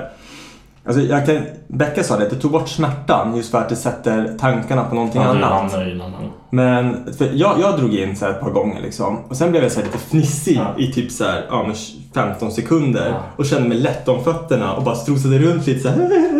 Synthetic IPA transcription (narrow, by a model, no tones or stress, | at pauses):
ʔa̰ls̬ɔjɑɡkʰanbɛkːasɑːd̪ɛd̪ɛt̪ʰuːɡ̚bɔʈːsmæʈːa̰njɵst̪fœɾat̪̚d̪ɛsɛt̪ːəɾt̪ʰaŋkaɳapʰɔnɔnt̪ʰɪŋanːa̰t̪ | mɛnfœjɑːjɑːɡd̪ɾuːɡɪnːsæːɾɛt̪̚pʰɑːɾɡɔŋːə̰ɭʔɪ̰ksɔ̰mɔsɛnblɛːvjasæːlɭiːt̪əfnɪsːɪɪt̪ʰyːpsæ̰ɾʔɑːmɛn | fɛmt̪ɔnsɛkʰɵnd̪ə̰ɾɔɕɛnd̪əmɛjlɛt̪ːɔmfœt̪ːəɳa̰ʔɔ̰bɑːɾast̪ɾuːs̬ad̪əɾɵnt̪ʰliːt̪əsæː